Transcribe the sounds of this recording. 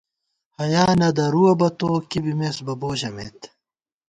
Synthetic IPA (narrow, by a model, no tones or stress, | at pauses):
hɐjaːnɐd̪ɐɾuɐbɐt̪oːkibimeːsbɐboːʑɐmḛːt̪